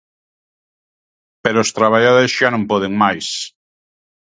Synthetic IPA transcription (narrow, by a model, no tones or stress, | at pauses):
peɾoost̪ɾaβaʎaðoesʃanõmpɔðeŋmajs